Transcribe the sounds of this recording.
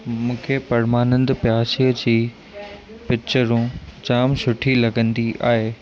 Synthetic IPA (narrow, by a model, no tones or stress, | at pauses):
mũːkʰepɐɾmaːnə̃nd̪pjaːsiəd͡ʑiː | pɪt͡ɕəɾũd͡ʑaːmsʊʈʰilɐɡə̃nd̪iʔa̰ːɦeː